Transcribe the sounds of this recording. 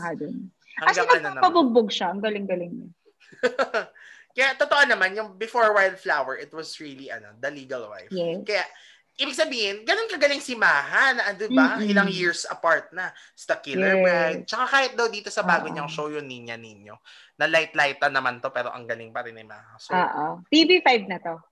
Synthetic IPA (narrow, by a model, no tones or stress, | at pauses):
ad̪on | ɐɐɡaɪnɐɐnɐnɐmpɐbʊɡ̚boɡʃaɐŋɡɐlɪŋɡɐlɪŋnɐ | kɐjat̪ot̪oʔonɐmanjʊŋbɪfoɹwajld̪̚flawɛɹʔɪt̪wɐsɹiːliʔɐno̞d̪ɐliːɡɐlwa̰jfɛkɐjaʔ | ʔiːbɪɡ̚sɐbiːhɪnɡɐnonkɐɡɐlɪŋsɪmaːhanɐʔɐnd̪ɪbɐʔɐŋʔɪlaŋjɪɹsʔɐpaɹt̪̚nɐst̪ɐkɪlɛɹwajd̪̚t͡ʃɐkakaːhɪt̪̚d̪ɐwd̪iːt̪o̞sɐbaːɡoɲɐŋʃowjʊnːɪɲɲanɪɲjo̰ | nɐlajt̪lajt̪ːɐnɐmant̪o̞pɛːɾo̞ʔɐ̰ŋɡɐlɪŋpɐɾɪnɐjmɐ̰ŋakɐɐsuoːʔot̪ivifajbnɐt̪o